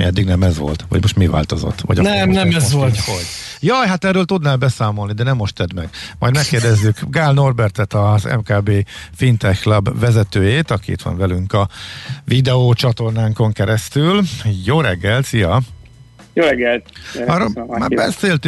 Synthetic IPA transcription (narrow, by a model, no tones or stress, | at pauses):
mḭɛd̪ːiɡnɛmɛzʋo̞̰lt̪ʋɒ̰ɟmo̞ʃt̪miva̰ːlt̪o̞zo̰t̪ːʋɒ̰ɟnɛmnɛmɛzʋolt̪hoɟ | jɒjɦat̪ɛrːøːlt̪ud̪naːlbɛsaːmo̞lnid̪ɛnɛmːoʃt̪ɛd̪mɛɡmɒ̰jd̪mɛkːeːrd̪ɛzːykɡaːlno̞rbɛrt̪ɛt̪ɒzɛ̰mkaːbeːfint̪ɛçklɒbvɛzɛt̪øːjeːt̪ɒkiḭt̪ʋɒ̰ɱvɛlyŋkɒvid̪ɛoːt͡ʃɒt̪o̞rnaːŋko̞ŋkɛɾɛst̪yljoːɾɛɡːɛlt̪sijɒ | joɾɛɡɛlt̪ɒromaːbɛseːlt̪y